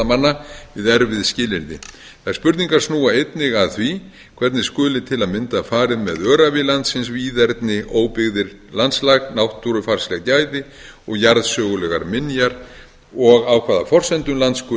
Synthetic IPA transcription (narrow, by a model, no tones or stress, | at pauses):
amanːavɪðɛɾvɪðscɪːlɪɾt̪ɪ̰ | θajɾ̥spʏɾt̪niŋkaɾ̥snuːaejt̪nɪɣaðθvi | kʰv̥ɛɾt̪nɪskʏːlɪt̪ʰɪlaðmɪnt̪afaːɾɪðmɛðœːɾavɪlant̪sɪnsviːðɛɾt̪nɪʔoːwpɪɣðɪɾ | lant̪slaɣnawht̪ːuɾʏfar̥slɛɣt̪jaːjðɪ | ɔɣjaɾðsœːɣʏlɛɣaɾmɪnjaɾ | ɔɣawkʰvaːðafɔr̥sɛnt̪ʏmlant̪skʏ